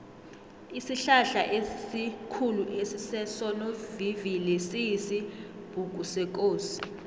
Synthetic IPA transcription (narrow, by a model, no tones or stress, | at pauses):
isiɬaɬaʔesikʰuluʔesisɛsɔnovivilesijisib̥ʱuk̬ʼusɛk̬ʼoːsi̥